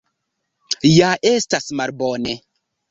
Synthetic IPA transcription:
jaʔestasmalbɔne

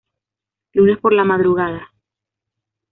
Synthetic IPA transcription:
lune̞spo̞ɾlamaðɾuɣaða

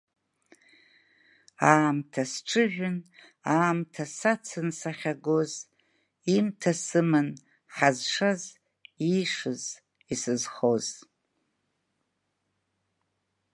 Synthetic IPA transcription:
aːmtʰasʈ͡ʂʰɨʒᶣʊn | aːmtʰasat͡sʰɨnsaχʲaɡoz | imtʰasɨmɨn | ħazʂaz | iʂɨz | isɨzχoz

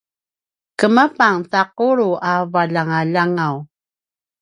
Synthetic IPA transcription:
kəmapaŋθaquɾuʔavaʎaŋaʎaŋaw

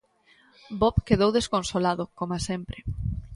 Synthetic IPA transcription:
bɔpkeðowðeskonsolaðʊkomasempɾe

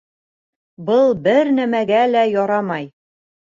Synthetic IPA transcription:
bɤlˠbɘɾnæmæɡælæjɒɾɑmɑj

